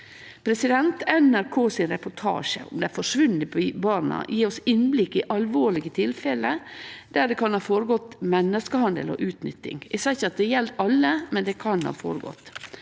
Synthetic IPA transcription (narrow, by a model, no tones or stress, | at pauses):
pʰɾɛsɪd̪ɛnt̪ɛnæɾkʰoːsɪnɾɛpʊʈʰɑ̰ːʂə̰ʊ̰md̪ɛæfɔʂʋʉnɪibɑːɾnɑ̰jʔiːɔsɪnblɪkːɪʔɑlʋoːɭɪɡət̪ʰɪlfɛləd̪̥æɖ̪ɛkʰɑnhɑːfoːɾəɡɔt̪ːmɛnːəskəhɑnd̪ə̰lɔ̰ːʔʉːt̪nʏt̪ːɪ̰ŋʔɪsɛçɑt̪̚d̪ɛjɛld̪ɑlːəmɛnd̪ɛkʰɑnhɑ̰ːfo̰ːɾəɡɔ̰t̪ː